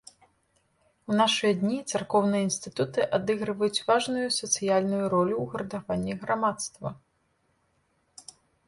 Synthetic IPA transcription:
wnaʂɨjɐd̪ʲnʲit̪sarkɔwnɨjɐinst̪ɨt̪ut̪ɨʔad̪ɨɣɾɨvɐjut͡sʲvaʐnujusɐt̪sɨjalʲnujuɾɔlʲuwɣɐɾɐd̪avanʲːiɣɾamat̪st̪vɐ

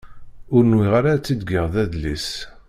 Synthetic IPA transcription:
ʊɾnwiʁaɾat͡sːid̪ɡiʁðæðlis

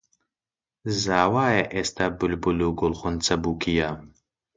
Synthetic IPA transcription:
zaːwaːjɐʔest̪ɐbʊlbuluɡʊlˠχʊnt͡sɐbuːkʰijam

